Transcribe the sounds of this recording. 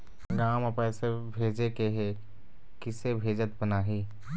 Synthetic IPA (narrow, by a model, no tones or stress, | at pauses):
ɡaːməpɛːsebʱeːd͡ʒekeɦe | kɪsebʱeːd͡ʒət̪bənaːɦiː